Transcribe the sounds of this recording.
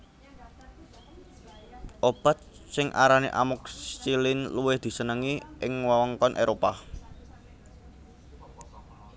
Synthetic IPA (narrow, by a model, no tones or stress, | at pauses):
ʔob̥a̤t̪̚sɪŋʔa̰ɾanḛʔa̰mʊk̚t͡ʃilɪnluwɪhd̪̥i̤sənəŋiʔɪŋwawɔŋkɔnʔeɾopa